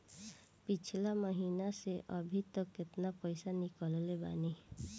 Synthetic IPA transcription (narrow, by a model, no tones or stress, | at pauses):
pɪt͡ʃʰlaməɦiːnaseʔəbʱit̪əkːɪt̪napəɪsanɪkəlleba̰ːne